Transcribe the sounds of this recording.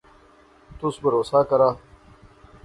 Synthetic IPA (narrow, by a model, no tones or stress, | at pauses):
t̪usbɐɾoːsaːkɐɾaː